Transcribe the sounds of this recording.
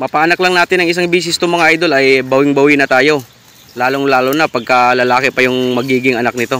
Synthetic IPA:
mɐpaʔɐnɐklɐŋnaːt̪ɪnːɐŋɪs̬aŋbiːs̬ɪst̪ʊmɐŋaʔajd̪o̞lɐjbɐwɪŋbɐwɪnɐt̪aːjo̞ | laːloŋlaːlonɐpɐɡ̚kɐlɐlaːkɪpɐjʊŋmɐɡiːɡɪŋɐnak̚nɪt̪o̞

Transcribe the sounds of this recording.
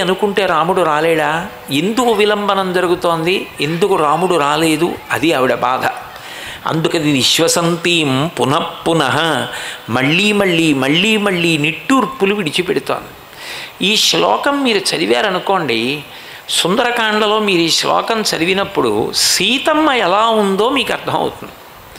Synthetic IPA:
ɐnukuɳʈe̞ːɾaːmuɽuɾaːlɛːɽaː | e̞nd̪ukuʋilɐmbɐnɐmd͡ʒɐɾuɡut̪o̞ːnd̪ie̞nd̪ukuɾaːmuɽuɾaːle̞ːd̪uɐd̪iɐʋiɽɐba̰ːd̪ʱɐ̰ | ɐ̰nd̪ukɐd̪iniʃʋɐsɐnt̪iːmpunɐpːunɐɦɐmɐɭːiːmɐɭːiːmɐɭːiːmɐɭːiːniʈːuɾpːuluʋiɽit͡ʃipɛɽut̪o̰ːnd̪i | iːʂlɔ̰ːkɐmːiːɾut͡ʃɐɾiʋjaːɾɐnuko̞ːɳɖi | sund̪ɐɾɐkaːɳlɐlo̞ːmiːɾuiːʂlɔ̰ːkɐmt͡ʃɐɾiʋinɐpːuɽṵsiːt̪ɐmːɐɛlaːund̪o̞ːmiːkɐɾt̪ʰɐmɐ̰wṵt̪und̪i

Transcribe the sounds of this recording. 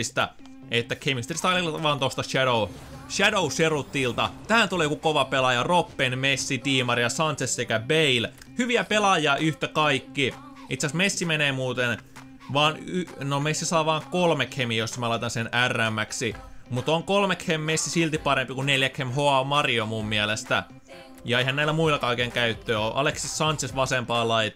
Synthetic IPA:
st̪ɑ | et̪ːækʰemist̪erst̪ɑlilːʋɑːnt̪ost̪ɑʃædo | ʃædouserut̪ːilt̪ɑt̪æːnyt̪olijokukoʋɑpelɑjɑropːenmesːit̪iːmɑrjɑsɑnt̪sessekæbeil | hyʋiæpelɑjˑɑːʔyht̪ækɑikːi | it̪seæsmesːimeneːmuːt̪en | ʋɑːnynomesːisɑːʋɑːŋkolmekhemijosːɑmælɑit̪ɑnsenærːæmːæksimut̪oŋkolmekhemːesːisilt̪ippɑɾempikunneljækhemhoɑmɑrjomumːiælest̪æ̰ | jɑeihænnæilːˑæmuilːˑɑkɑikeŋkæyt̪ːøːoʔɑ̰leksissɑnt̪sesʋɑsempɑːlɑit̪

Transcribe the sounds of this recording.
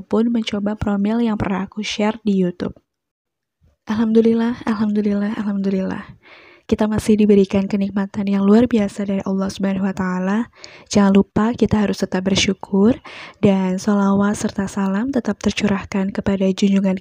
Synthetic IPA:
pʊnməɲt͡ʃobapɾomɪljaŋpərnaakuʃɛrdijut̪ʊ̰p̚ | ʔalhamd̪ulilahalɦamd̪ulilahalɦhamd̪ulila̰h | kit̪amasɪhdibəɾikankənik̚mat̪anjaŋluarbiasadaɾiʔɑlˠːɑhsubanahuwat̪aːlad͡ʒaŋalupakit̪aɦaɾʊst̪ət̪ap̚bərʃukʰʊrdansolawatsərt̪asalamt̪ət̪ap̚t̪ərt͡ʃuɾahkankəpadad͡ʒuɲd͡ʒuŋan

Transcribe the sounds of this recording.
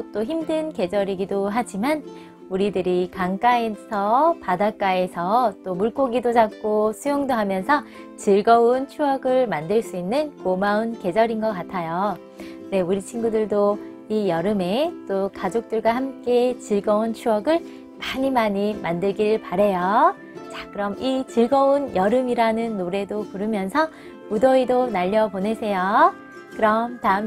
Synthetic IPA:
t͈oçimdɯnke̞d͡ʑʌɾiɡidoɦad͡ʑiman | uɾidɯɾikaŋk͈aesʰʌpadak͈ae̞sʰʌt͈omuɭk͈oɡidod͡ʑak̚k͈osʰujoŋdoɦamjʌnsʰʌ | t͡ɕiɭɡʌunt͡ɕʰuʌɡɯɭmandɯɭs͈uinːɯnkomaunke̞d͡ʑʌɾinɡʌk͈atʰajo | ne̞uɾit͡ɕʰinɡudɯɭdo | ijʌɾɯme̞t͈okad͡ʑok̚t͈ɯɭɡwahamk͈et͡ɕiɭɡʌunt͡ɕʰuʌɡɯɭ | maɲimaɲimandɯɭɡiɾɯɭpaɾe̞jo | t͡ɕakɯɾʌmit͡ɕiɭɡʌunjʌɾɯmiɾanɯnːoɾe̞dopuɾɯmjʌnsʰʌ | pudʌidonaʎːʌpone̞sʰe̞jo | kɯɾʌmtaɯm

